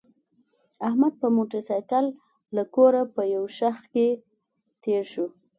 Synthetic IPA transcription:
ahmad̪̚pəmoʈəɾsɑjkalː | akoɾapəjawʃaxke | t̪eɾʃu

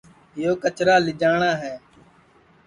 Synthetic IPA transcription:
ɪjoːkət͡ʃɾaːlɪd͡ʒaːɳãːɦɛː

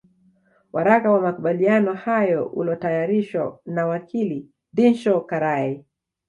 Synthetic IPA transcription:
wʔaɾakawamakuɓalianɔhajɔṵlɔtajaɾiʃwa̰nawakʰili | dinʃɔkaɾai

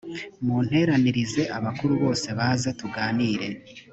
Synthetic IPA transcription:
mun̥he̞ɾaniɾize̞ʔaβakuɾuβo̞ːse̞βaːzatuɡaːniːɾe̞

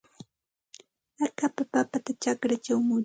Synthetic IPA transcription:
akapapapat̪at͡ʃakɾat͡ʃawmʊ

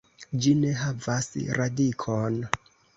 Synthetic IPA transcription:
d͡ʒine̞ɦavasɾadikʰon

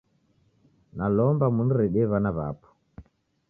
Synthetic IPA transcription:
nalɔmbamunɾɛɗɛβanaβa̰pʰɔ̥

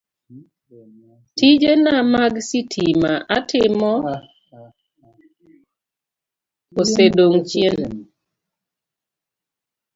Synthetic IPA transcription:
tid͡ʒenamaɡsitʰimaʔa̰tʰɪmɔ | osedoŋt͡ʃjen

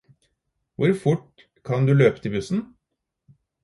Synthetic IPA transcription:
ʋʊɾfʊʈ | kʰɑnd̪ʉløːpət̪ʰɪlbʉsn̩

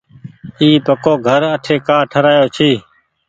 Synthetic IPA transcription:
iːpəkoːɡʱəɾəʈʰeːkaːʈʰəɾaːjoːt͡ʃʰiː

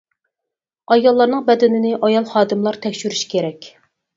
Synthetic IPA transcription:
ɑjɑlˠːɑɾnɨŋbɛd̪ɪnɪnɪʔɑjɑlˠχɑːd̪ɨmlˠɑɾt̪ʰɛkʲʃyɾyʃkʲʰeɾɛkʲ

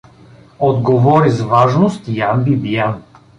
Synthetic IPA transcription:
od̪ɡovɔɾizvaʒnost̪ijambibijan

